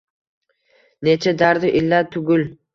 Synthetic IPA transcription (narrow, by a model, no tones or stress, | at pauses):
net͡ʃʰad̪aɾd̪ɪʔɪlːat̪ʰʊɡʲʊl